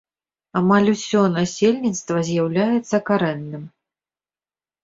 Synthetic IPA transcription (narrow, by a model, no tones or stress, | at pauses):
amalʲusʲɔnasʲelʲnʲit̪st̪vɐzʲjawlʲajɛt̪sːɐkaɾɛnːɨm